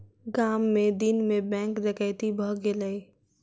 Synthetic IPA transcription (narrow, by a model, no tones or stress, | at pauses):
ɡaːmːẽd̪ɪnmẽbɛ̃ːŋkd̪ɪkəɪt̪ibʱəɡeləi